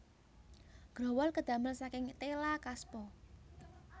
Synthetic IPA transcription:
ɡ̥ɾɔ̤wɔlkəd̪̥ä̤məlsakɪŋt̪elakaspɔ

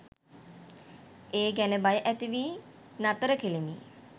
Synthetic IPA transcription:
eːɡænəbajəʔæt̪iʋiː | nat̪əɾəkelimḭ

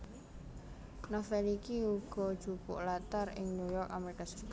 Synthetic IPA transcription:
nafɛlikiuɡ̥ɔ̤d̥ʒ̥upʊ̰ʔlat̪aɾɪ̰ŋnujɔrkameɾikasə̥ik

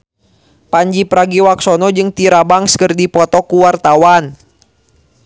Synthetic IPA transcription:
paɲd͡ʒipɾaɡiwaksɔnɔd͡ʒɨŋt̪iɾabaŋskərdipɔt̪ɔkuwart̪awan

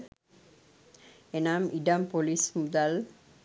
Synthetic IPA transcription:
enamiɖampolismud̪al

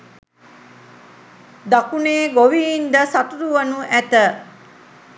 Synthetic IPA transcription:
d̪akuneːɡoʋiːnd̪əsat̪uɾuʋənuʔæt̪ə

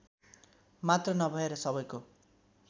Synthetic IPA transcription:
mat̪rʌnʌbʱʌeɾʌsʌβʌjko

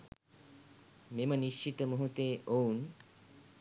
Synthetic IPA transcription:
meməniʃt͡ʃit̪əmuɦut̪eːʔoun

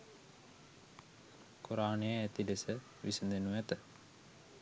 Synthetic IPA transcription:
kuɾaːnejəæt̪ilesə | ʋisənd̪enuʋæt̪ə

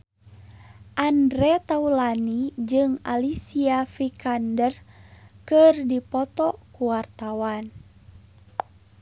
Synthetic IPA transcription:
ʔandɾɛt̪aulanid͡ʒɨŋalisiafikandərkɨrdipɔt̪ɔkuwart̪awan

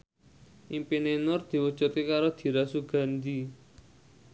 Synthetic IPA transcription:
ʔimpinenɔrd̪̥iwɔ̥d͡ʒɔt̪kekaɾod̪̥i̤ɾasuɡ̥a̤nd̪i

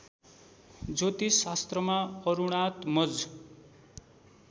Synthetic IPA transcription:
d͡zot̪isast̪rʌmaʌɾuɽ̃at̪mʌd͡z

